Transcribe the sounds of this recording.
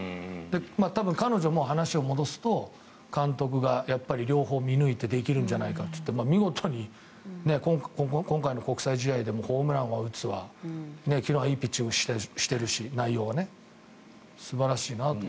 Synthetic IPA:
d̪e̞maːt̪abɯ̟̃ŋkano̞ʑo̞mo̞hanaɕio̞mo̞d̪o̞sɨ̥t̪o̞ | kãnt̪o̞k̬ɯ̟ɡajapːaɾʲiɾʲo̞ːɦo̞ːmʲinɯ̟it̪e̞d̪e̞kʲiɾɯ̟̃ɲ̟d͡ʑanaikat̪ːo̥t̪ːemamʲiɡo̞t̪ʰo̞ɲ̟i | ne̞kõŋkkokõ̞ŋkaino̞ko̞kɯ̟saiʑid̪aid̪e̞mo̞ːho̞ːmɯ̟ɾãɰ̃βaɯ̟t͡sɨβane̞kʲinoːaiːpʲit͡ɕːioɕi̥t̪eɕi̥t̪e̞ɾɯ̟ɕinaijo̞ːβane̞ | sɨbaɾaɕiːnat̪o

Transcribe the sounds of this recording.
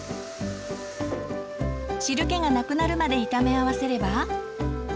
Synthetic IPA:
ɕiɾɯ̟ke̞ɡanakɯ̟naɾɯ̟mad̪e̞it̪ame̞aβase̞ɾe̞ba

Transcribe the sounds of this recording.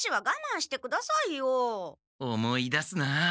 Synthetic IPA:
ɕiβaɡamãɰ̃ɕi̥t̪e̞kɯ̟d̪asaijo | omoid̪asɨna

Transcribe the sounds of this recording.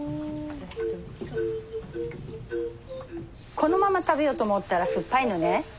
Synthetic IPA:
kʰo̞no̞mamat̪abejo̞ːt̪o̞mot̪ːaɾaɸɯ̟pːainone

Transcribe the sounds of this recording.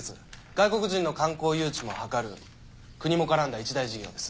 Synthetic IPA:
et͡sɨ̰ | ɡ̥aiko̞kɯ̟ʑĩnːo̞kãŋko̞ːjɯ̟ːt͡ɕimo̞hakaɾɯ̟̰ | kɯ̟ɲ̟imo̞kaɾãnd̪ait͡ɕid̪aiʑiɡʲo̞̰ːd̪e̞sɨ̥

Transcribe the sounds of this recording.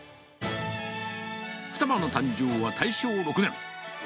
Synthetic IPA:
ɸɯ̟̥t̪abanot̪ãɲd͡ʑoːβat̪ʰaiɕoːɾo̞kɯ̟nẽ̞ŋ

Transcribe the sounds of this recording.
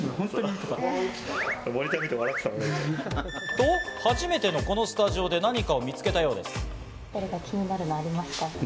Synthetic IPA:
hõnt̪oɲʲi | moɾʲit̪aet̪eβaɾakɯ̥t̪aɾane | t̪oːhaʑime̞t̪e̞no̞ko̞no̞sɨ̥t̪aʑio̞d̪e̞naɲ̟ikao̞mʲit͡sɨ̥ke̞t̪ajo̞ːd̪e̞sɨ̥ | t̪aɾʲiɡakʲiɲ̟inaɾɯ̟noaɾʲimasɨ̥t̪a

